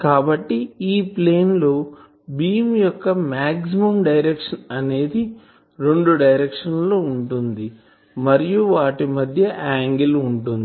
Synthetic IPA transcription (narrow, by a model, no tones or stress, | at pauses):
kaːbɐʈːiiːpleːnlo̞ː | biːmjɔkːɐmaːksimɐmɖɐjɾekʂɐnɐne̞ːd̪i | ɾeɳɖuɖɐjɾekʂɐnlo̞ːuɳʈund̪i | mɐɾijuʋaːʈimɐd̪ʱjɐʔaːŋɡiluɳʈund̪